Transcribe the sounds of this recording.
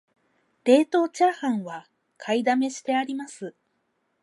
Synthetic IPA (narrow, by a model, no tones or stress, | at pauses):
d̪̥e̞ːt̪o̞ːt͡ɕahãɰ̃βa | kʰaid̪ame̞ɕi̥t̪e̞aɾʲimasɨ